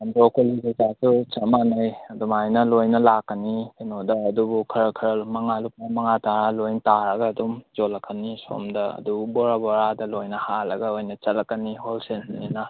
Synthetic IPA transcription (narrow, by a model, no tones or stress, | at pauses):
ɐndokoliɡezasut͡ʃɐmanɐjɐdumajnɐlojnɐlakːɐnihenodɐːdubukʰɐɾɐkʰɾɐlmɐŋalup̚namɐŋataɾalojntaɾɐɡɐːdumd͡ʒolɐkʰːɐniso̰mdɐɐ̰dububoɾaboɾadɐlojnɐhalɐɡɐojnɐt͡ʃɐlɐkːɐniholsensninɐ